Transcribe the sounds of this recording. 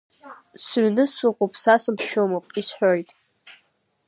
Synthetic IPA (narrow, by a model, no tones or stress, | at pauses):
sɥnɨsʊʁʷopʰʼsasɨmpʰʃᶣomopʼisħʷᶣojtʼ